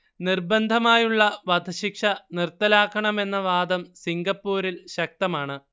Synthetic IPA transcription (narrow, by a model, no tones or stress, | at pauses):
nirbɐnd̪ʱɐmaːjuɭːɐʋɐd̪ʱɐɕikʂɐnirt̪ːɐlaːkʰːɐɳɐme̞nːɐʋaːd̪ɐmsiŋɡɐpːuːɾilɕɐk̚t̪ɐmaːɳɨ